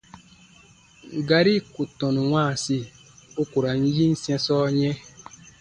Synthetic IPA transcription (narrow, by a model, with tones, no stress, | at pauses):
ɡa˦ɾi˦ku˨tɔ̃˨nu˨wãː˦˨si˦ | u˦ku˨ɾa˨n̩˦ji˦n̩˦sɛ̃˦sɔː˦ɲɛ̃˦